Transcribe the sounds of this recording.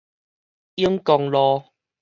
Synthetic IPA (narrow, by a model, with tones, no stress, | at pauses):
i˦ŋkɔ˧ŋlɔ˧